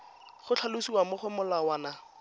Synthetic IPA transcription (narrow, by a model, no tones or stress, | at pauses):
χʊt͡ɬʰalʊsiwamʊχʊmʊlawaːna